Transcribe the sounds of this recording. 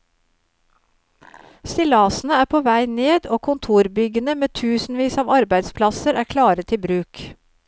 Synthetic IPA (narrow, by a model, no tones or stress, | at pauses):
st̪ɪlɑːsn̩əæːpʰoːʋæɪneːd̪oːkʰʊnt̪ʰuːɾbʏɡənəmeːt̪ʰʉːsn̩ʋiːsɑːʋɑɾbæɪd̪spʰlɑsəɾæːkʰlɑːɾət̪ʰɪbɾʉːk